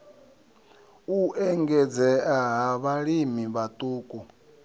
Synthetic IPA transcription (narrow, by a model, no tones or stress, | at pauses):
uɛŋɡɛd͡zɛaɦaβaɺimiβat̪ʼuːkʼu